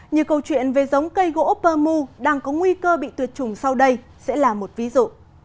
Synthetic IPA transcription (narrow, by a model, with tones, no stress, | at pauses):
ɲɨ˨˩əwkə˧wt͡ɕwḭ˧˨ənve˨˩zə˨˦wŋ͡mkə˧jɣo̰˧˥pəː˧mu˧ɗaː˧ŋkɔ˨˦ŋwi˧kəː˧ɓḭ˧˨t̪wi˨˩ət̚t͡ɕʊ˨˩ŋ͡msa˧wɗə˧j | sɛ̰˧˥laː˨˩mo˨˩t̚vi˨˦zṵ˧˨